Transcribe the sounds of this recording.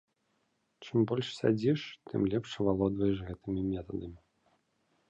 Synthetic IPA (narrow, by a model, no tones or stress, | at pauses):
t͡ʂɨmbɔlʲʂsʲa̰d͡zʲiʂt̪ɨ̰mlʲɛpʂɐvalˠɔd̪vɐjɛʂɣɛt̪ɨmʲimʲɛt̪ɐd̪ɐmʲi